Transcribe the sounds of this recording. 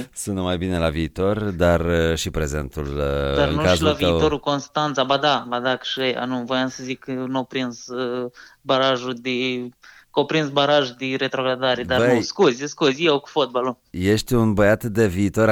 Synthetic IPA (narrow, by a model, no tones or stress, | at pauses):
sunəmajbine̞laviːt̪o̞rd̪arʃipɾe̞zḛnt̪ulaɨ̰ŋnkaʃlaviioɾukonst̪ant̪sabad̪abad̪akʃeja̰nuvojansəzikənopɾinz | baɾaʒud̪i | kopɾinzbaɾaʒud̪iɾet̪ɾoɡɾad̪aɾed̪aɾbəskuzʲskuzʲiawku̥fot̪̚balu | je̞ʃt̪ʲunbəjat̪d̪e̞viːt̪o̞ɾ